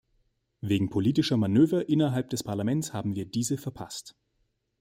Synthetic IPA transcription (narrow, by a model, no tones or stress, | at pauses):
veːɡŋ̩pʰoliːtɪʃɐmanøːvɐʔɪnɐɦalp̚d̥ɛspʰaɐlamɛnt͡sshaːbm̩viːɐdiːzəfɛɐpʰa̰st